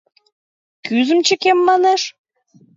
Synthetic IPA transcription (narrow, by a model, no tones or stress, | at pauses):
kyzə̆mt͡ɕə̆kemːɑneʃ